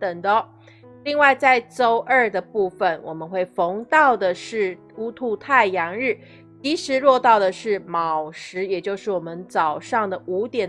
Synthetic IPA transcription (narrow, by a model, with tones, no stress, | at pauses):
t̪ə˨˩ŋd̪ə˦ | li˥˧ŋwa˥˧ɪt͡sa˥˧ɪʈ͡ʂo˥ʊʔə˥˩d̪ə˩pu˥˩fə˩nwɔ̰˨˩mə˦nxwe˥˩ɪfo˧˥ŋt̪ɑ˥˩ʊd̪ə˩ʂɻ̩˥˩ | u˥t̪ʰu˧˥t̪ʰa˥˩ɪjɑ˧˥ŋɻ̩˥˩ | t̪i˧˥ʂɻ̩˧˥ɻwɔ˥˧t̪ɑ˥˩ʊd̪ə˩ʂɻ̩˥˩mɑ˨˩ʊʂɻ̩˧˥jɛ˨˩t͡ɕjo˥˧ʊʂɻ̩˥˩wɔ˨˩mə˦nt͡sɑ˨˩ʊʂɑ˥˩ŋd̪ə˩ʔu˧˥t̪jɛ˨˩n